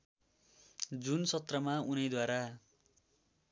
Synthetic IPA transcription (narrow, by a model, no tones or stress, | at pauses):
d͡zunsʌt̪rʌmaunʌjd̪waɾa